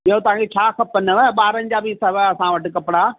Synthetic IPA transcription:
ɪɦot̪ɐʋ̤ãd͡ʑet͡ɕʰaːkʰɐpənəʋəɓaːɾə̃nd͡ʑabiːsɐʋəɐsãʋɐʈɪ̆kɐpɪɽaː

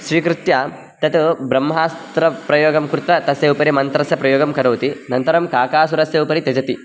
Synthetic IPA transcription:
sɾiːkɾut̪jaː | t̪ɐt̪ubɾɐmːɐɦaːst̪ɾɐpɾɐjoːɡɐmkɾut̪ɾɐt̪ɐsjɐupɐɾimɐnt̪ɾɐsjɐpɾɐjoːɡɐmkɐɽɐːt̪inɐnt̪ɐɾɐmkaːkaːs̬uɾɐsjɐupɐɾit̪ed͡ʒɐt̪i

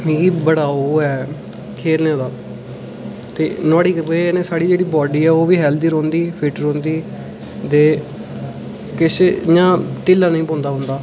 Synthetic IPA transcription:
mĩːkiːbəɽaːoɛː | kʰeːɾnẽːd̪aː | t̪ḛːnaːɽiːkbnẽːsaːɽiːd͡ʒeːɽiːbɔːɖiːɛːoːʋiːɦɛːld̪iːɾõːnd̪iːpʰɪʈɾõːnd̪iː | d̪eː | kɪsjãːʈɪːlːãːnəĩːpɔ̃ːnd̪aːɦʊ̃ːnd̪aː

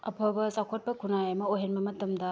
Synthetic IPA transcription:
ɐ̰pʰɐbɐsakʰot̚pɐkʰunajɐmɐoɦenbɐmɐtɐmdɐ

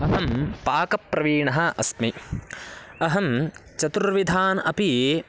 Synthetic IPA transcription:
ɐɦɐmpaːkɐpɾɐʋiːɳɐɦɐɐsmi | ɐɦɐmt͡ʃɐt̪uɾʋid̪ʱaːnɐpi

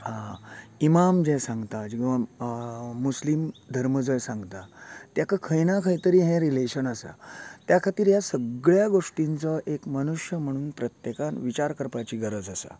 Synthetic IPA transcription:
ɦaimamd͡ʑɛsãŋɡt̪ad͡ʑikʋa | muslimd̪ʱəɾməd͡zəjsãŋɡt̪at̪jakəkʰəjnakʰəit̪əɾiːɦɛ̃ɾileɕənəsa̰t̪jakʰat̪iːɾjasəɡɭjaɡoʂʈint͡səʔekməñuʂjəm̤əɽ̃uːnpɾət̪jekanʋit͡ɕaɾkəɾpat͡ɕiːɡəɾəd͡zəsa̰

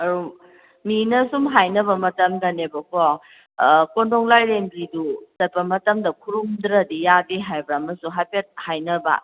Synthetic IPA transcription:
ɐɾu | minɐsumɦajnɐbɐmɐtɐmdɐnebɐkʰɔ | kondoŋlajɾembɾiduzɐt̚pɐmɐtɐmdɐkʰuɾumdɾɐdijadiɦajbɾaɐmɐsuɦajpet̚hajnɐbɐ̰

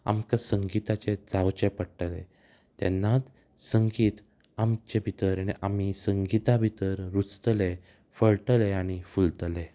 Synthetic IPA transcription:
a̰mkasəŋɡit̪at͡ɕed͡zawt͡ɕepəɽʈle | t̪ɛ̰nːat̪ | səŋɡiːt̪ | amt͡ɕebʱit̪əɾaniʔamisəŋɡit̪abʱit̪əɾɾut͡st̪le | fəɭʈəleaɽ̃ifult̪le

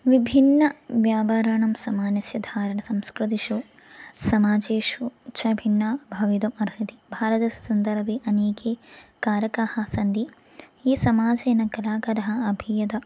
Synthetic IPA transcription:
ʋibʱinːɐʋjaːpaːɾaːɳɐmsɐmaːnɐsjɐd̪ʱaːɾɐɳɐsɐmskɾɨt̪iʃu | sɐmaːd͡ʒeːʃut͡ʃʰɐbʱinːaːbʱɐʋid̪ɐmɐɾɦɐt̪ibʱaːɾɐt̪ɐsɐnd̪ɐɾbeʔɐneːkeːkaːɾɐkaːhɐsɐnd̪i | iːsɐmaːd͡ʒɐːnɐkɐlaːkɐɾɐɦɐ̆ɐbʱijɐd̪ɐ

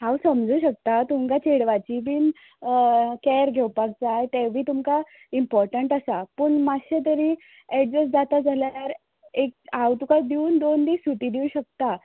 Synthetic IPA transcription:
ɦawsəmd͡zʱuːɕək̚t̪at̪umkat͡ɕeɽʋat͡ɕiːbiːn | kɛɾɡʱewpak̚t͡sajt̪ɛʋʱiːt̪umka | impɔɾʈəɳʈasapəɳmaɕət̪̬əɾiː | eʈ̚d͡zəsd͡zat̪ad͡zʱaljajaɾ | ek̚awt̪ukajd̪iuːnd̪ond̪iːsut̪iːd̪iuɕək̚t̪a

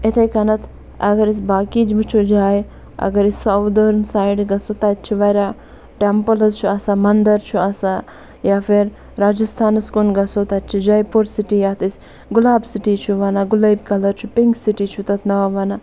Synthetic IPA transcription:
et̪ʰɐjkɐnɐt̪ʰ | ɐɡɐɾis̬ʲbaːkid͡ʒbit͡ʃʰud͡ʒaːj | ɐ̰ɡɐɾisʲsɐwd̪oɾnsaːjɖɡɐsot̪ɐt̪t͡ʃʰiʋɐɾʲa | ʈempɐlɐzt͡ʃʰuɐsamɐnd̪ɐɾt͡ʃʰuɐsa | jaːfiɾ | ɾaːd͡ʒɐst̪ʰaːnɐskunɡɐsot̪ɐt̪t͡ʃʰid͡ʒajpoɾsiʈijaːt̪isʲ | ɡulaːbsiʈiːt͡ʃʰuʋɐnaɡulɐbkɐlɐɾt͡ʃʰupiŋɡsiʈiːt͡ʃʰut̪ɐt̪ʰnɐʋaʋɐna

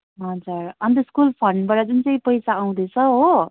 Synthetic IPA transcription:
ɦʌd͡zuɾʌnt̪̬ʌskulpʰʌɳɖbaɾad͡zunt͡sʌĩpʌjsaːw̃d̪et͡sʰʌɦo

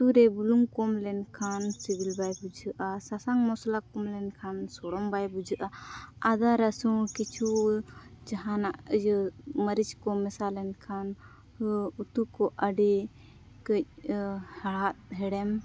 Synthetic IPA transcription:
t̪uɾɛbuluŋkɔmlɛnkʰansibilbajbud͡ʒəʔasasaŋmɔslakɔmlɛnkʰansɔɽɔmbajbud͡ʒəʔaad̪aɾəsũkit͡ʃʰu | d͡ʒaɦanaʔd͡ʒməɾit͡ʃkɔmɛsalɛnkʰan | ut̪ukɔʔəɖi | kəc̚haɭat̪̚ɦɛɽɛm

